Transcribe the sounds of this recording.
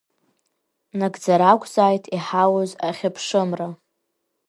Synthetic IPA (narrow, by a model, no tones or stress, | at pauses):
naɡd͡zaɾakʷzaːjtʰiħawozaχʲapʰʂɨmra